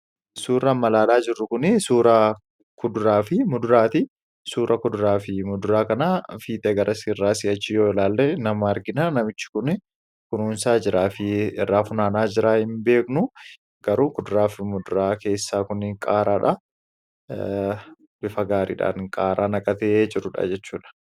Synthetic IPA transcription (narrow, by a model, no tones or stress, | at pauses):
suːɾɐmɐlaːlaːd͡ʒɪrːʊkʊnɪsuːɾɐ | kʊd̪ʊɾaːfɪmʊd̪ʊɾaːt̪ɪ | suːɾʔɐkʊd̪ʊɾaːfɪmʊd̪ʊɾaːkɐnafiːt̪ʼɛɡɐɾʔɐsirːaːsɪɐt͡ʃːɪjoːɪlaːlːenɐmɐɐɾɡɪnanɐmɪt͡ʃːɪ̥kʊnɪ | kʊnuːnsaːd͡ʒɪɾaːfɪɪ̰rːaːfʊnaːnaːd͡ʒɪɾaːhɪmbe̞ːknʊ | ɡ̥ɐɾuːkʊd̪ʊɾaːfɪmʊd̪ʊɾaːke̞ːsːaːkʊnɪŋkʼaːɾaːᶑɐ | b̥ɪfɐɡaːɾḭːᶑa̰ːnkʼaːɾaːnɐkʼɐt̪eːd͡ʒʼɪɾʊᶑɐ̰d͡ʒɛt͡ʃːuːᶑɐ̥